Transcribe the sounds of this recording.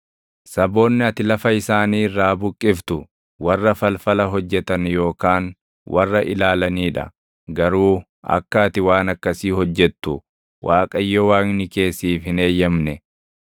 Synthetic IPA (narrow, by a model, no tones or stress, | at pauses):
sɐbo̞ːnːɪɐt̪ɪlɐfɐɪsaːniːrːaːbʊkʼːɪft̪ʊ | wɐrːɐfɐlfɐlɐɦɔd͡ʒːɛt̪ɐnjo̞ːkaːn | wʔɐ̰rːɐʔɪlaːlɐniːᶑɐ̰ | ɡɐɾuː | ɐ̰kːɐːt̪ɪwaːnɐkːɐsiːhɔd͡ʒːɛt̪ːʊ | wʔaːkʼɐjːɔwaːŋnɪke̞ːsːiːfhɪne̞ːjːɐmnɛ